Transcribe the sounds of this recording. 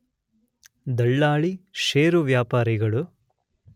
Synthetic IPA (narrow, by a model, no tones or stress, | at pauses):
d̪ɐɭːaːɭiʃeːɾuʋjaːpaːɾiɡɐɭu